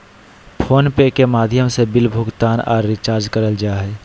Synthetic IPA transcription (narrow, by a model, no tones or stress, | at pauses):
pʰoːnpekemaːd̪ʱjəmsebɪlbʱʊɡt̪aːnɔ̰ːɾːɪt͡ʃaːɾd͡ʒkəɾəld͡ʒaːɦɛː